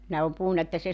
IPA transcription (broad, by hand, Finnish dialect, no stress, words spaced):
nehæ om puhunːɑ etːæ se